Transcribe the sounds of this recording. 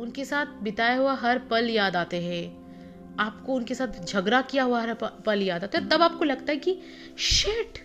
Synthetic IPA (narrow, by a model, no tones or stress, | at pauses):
ʊnkesaːt̪ʰbɪt̪aːjaɦuaɦɐɾpɐljaːd̪aːt̪eɦɛ̃ | aːpkoʊnkesaːt̪ʰd͡ʒʱɐɡɾakijaɦuaɦɐɾpɐljaːd̪aːt̪eɦɔɾt̪ɐbaːp̚kolɐɡt̪aɦɛki | ʃeːʈ